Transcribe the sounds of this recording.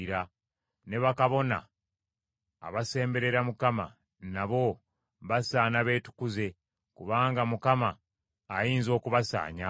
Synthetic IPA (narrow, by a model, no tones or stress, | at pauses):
ɾa | ne̞βakaβo̞na̰ | βase̞ːmbe̞ɾe̞ɾamukama̰ | naβo̞ | βasaːnaβe̞ːtu̥kuze̞ | kuβaːŋɡamukamaː | jiːnzo̞ːkuβasa̰ːɲa